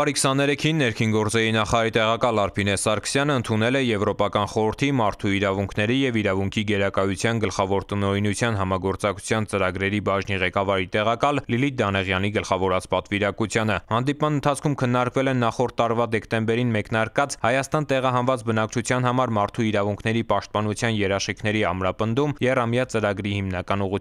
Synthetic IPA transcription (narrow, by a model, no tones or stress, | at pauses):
ɑɾikʰsɑnɛɾɛkʰinːɛɾkʰinɡɔɾt͡sɛɾinɑχɑɾɑɾit̪ɛʁɑkɑlɑɾpʰinɛsɑɾkʰə̥sjɑnəənt̪ʰunɛlɛjɛvɾɔpɑkɑnχɔɾəɾt̪ʰimɑɾt̪ʰuiɾɑvuŋkʰnɛɾijɛviɾɑvuŋkʰiɡɛɾɑkɑjut͡sʰjɑnɡəlχɑvɔɾt̪ənɔinut͡sʰjɑnɦɑmɑɡɔɾt͡sɑk̚t͡sʰu̥t͡sʰjɑnt͡səɾɑɡɾɛɾibɑʒniʁɛkɑvɑɾit̪ɛʁɑkɑllilid̪ɑnɛʁjɑniɡəlχɑvɔɾɑt͡spɑt̪viɾɑkut͡sʰjɑnəhɑnd̪ipmɑnənt̪ʰɑt͡sʰkʰumkʰənːɑɾkvɛlɛnːɑχɔɾt̪ʰːɑɾvɑd̪ɛkt̪ɛmbɛɾinmɛknɑɾkɑt͡shɑjɑst̪ɑnt̪ɛʁɑɦɑnvɑt͡sbənɑk̚t͡ʃʰut͡sʰjɑn̪hɑmɑɾmɑɾt̪ʰuiɾɑvuŋkʰnɛɾipɑʃt̪̚pɑnut͡sʰjɑnjɛɾɑʃχikʰn̪ɛɾiɑmɾɑpənd̪umjɛrɑmjɑt͡səɾɑɡɾihimnɑkɑnuʁu